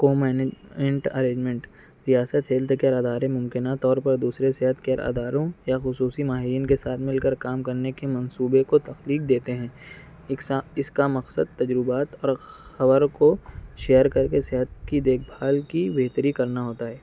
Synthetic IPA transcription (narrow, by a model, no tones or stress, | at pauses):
koːmɛːned͡ʒɛ̃ɳʈɐ̰ɾẽːd͡ʒmɛ̃ɳʈ | ɾijaːsət̪ɦeːld̪kaɾaːd̪aːɾemʊ̃mkɪnat̪ɔːɾpɐɾd̪uːsɾeseɦət̪kaːɾʔa̰ːd̪aːɾõjaxʊsuːsimaːɦɪɾiːnkesaːt̪ʰmɪlkəɾkaːmkɐɾnekemɐ̃nsuːbekot̪ɐxliːk̚d̪eːt̪eɦɛ̃ː | ɪskamɐqsə̰d̪̚t̪ɐd͡ʒɾʊbaːt̪ɔːɾxɐbəɾkoʃejəɾkɐɾkeseɦət̪kid̪eːk̚ʰbʱaːlkibeɦt̪əɾikɐɾnaɦoːt̪aɦɛː